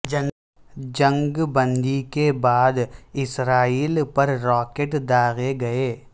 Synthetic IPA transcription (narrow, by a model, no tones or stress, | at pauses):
d͡ʒɐn | d͡ʒə̃ŋɡbə̃nd̪ikebaːd̪ɪsɾaːiːlpɐɾɾɔːkeːʈd̪aːɣeɡɐeː